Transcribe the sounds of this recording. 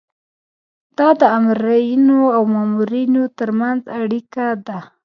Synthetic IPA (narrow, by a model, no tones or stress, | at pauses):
d̪̥ɑd̪əamɾajinoawmɑmuɾinot̪əɾmanzaɽikad̪a